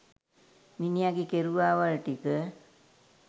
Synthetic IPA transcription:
minijaɡikeɾuʋaːʋaɭʈikə

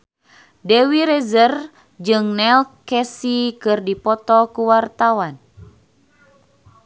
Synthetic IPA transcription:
dɛwiɾɛzər | d͡ʒɨŋnɛlkɛsikɨrdipɔt̪ɔkuwart̪awan

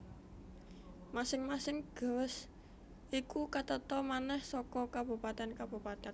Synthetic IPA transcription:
masɪŋmasɪŋɡ̥ə̤s | ʔikukat̪ət̪ɔmanɛhsɔkɔkab̥ṳpat̪ɛnkab̥ṳpat̪ɛ

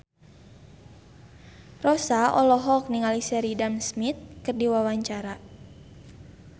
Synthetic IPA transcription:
rɔsaɔlɔɦɔk̚niŋalisɛɾidamsmit̪̚kɨrdiwawaɲt͡ʃaɾa

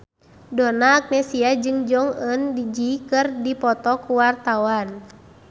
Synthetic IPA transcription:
dɔnaːk̚nɛsiad͡ʒɨŋd͡ʒɔŋəndid͡ʒikɨrdipɔt̪ɔkuwart̪awan

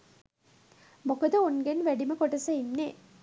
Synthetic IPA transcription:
mokəd̪əonɡenʋæɖiməkoʈɐsəinːe

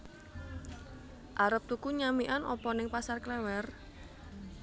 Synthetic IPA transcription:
ʔaɾəp̚t̪ukuɲamiʔanʔɔ̰pɔnɪŋpasarklɛwɛr

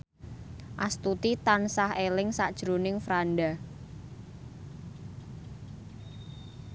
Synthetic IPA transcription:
ʔast̪ut̪it̪ansahelɪŋsad̥ʒ̥ɾonɪŋfɾanɖa

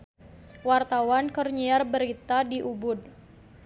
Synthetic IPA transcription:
wart̪awankərɲiarbəɾit̪adiʔubʊd̚

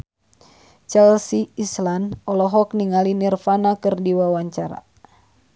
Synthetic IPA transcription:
t͡ʃɛlsiːslanɔlɔɦɔk̚niŋalinirfanakɨrdiwawaɲt͡ʃaɾa̰

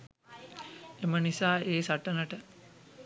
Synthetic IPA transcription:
emənisaːeːsaʈənəʈə

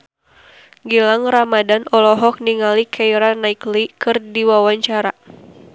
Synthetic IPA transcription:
ɡilaŋramadanɔlɔɦɔk̚niŋalikʰaiɾanaiklikɨrdiwawaɲt͡ʃaɾa

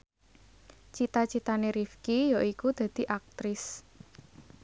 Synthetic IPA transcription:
t͡ʃit̪at͡ʃit̪aneɾifkijɔʔikud̪̥ä̤d̪̥i̤ʔak̚t̪ɾɪs

